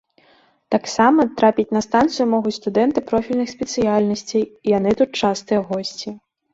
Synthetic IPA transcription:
t̪aksamɐt̪ɾapʲit͡sʲnɐst̪ant̪sɨjumɔɣut͡sʲst̪ud̪ɛnt̪ɨpɾɔfʲilʲnɨxsʲpʲɛt̪sɨjalʲnɐsʲt͡sʲejijan̪ɨt̪ut̪̚t͡ʂast̪ɨjɛɣɔsʲt͡sʲi

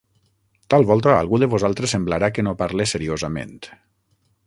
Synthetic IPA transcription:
t̪alˠβɔlˠt̪aa̰lˠɣuðəβozalˠt̪ɾesːemblaɾakənopaɾlesəɾiozamḛnt̪

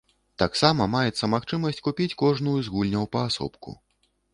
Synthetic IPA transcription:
t̪aksamɐmajɛt̪sɐmaxt͡ʂɨmɐsʲt͡sʲkupʲit͡sʲkɔʐnujuzɣulʲnʲɐwpɐːsɔ̰pkṵ

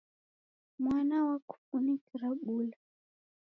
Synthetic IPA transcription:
mwanawaku̥funikiɾaɓula

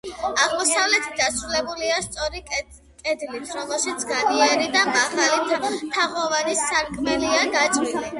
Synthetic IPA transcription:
aʁmɔsavlɛt̪ʰi̥t̪̚d̪asɾulɛbuliast̪sʼɔɾik | kʼɛd̪lit̪ʰɾɔmɛlˠʃit̪sʰɡabiaɾid̪amaʁalit̪ʰaʁɔvanisaɾkʼmɛliad̪at͡ʃʼli

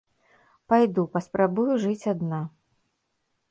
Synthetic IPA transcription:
pajd̪upɐspɾabujuʐɨt͡sʲad̪na

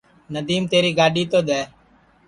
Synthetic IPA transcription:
nəd̪iːmt̪eːɾiːɡaːɖiːt̪oːd̪ɛː

